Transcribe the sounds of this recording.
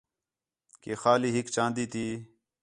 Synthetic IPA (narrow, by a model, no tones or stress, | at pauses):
kexaːliːɦikt͡ʃãːnd̪iːt̪iː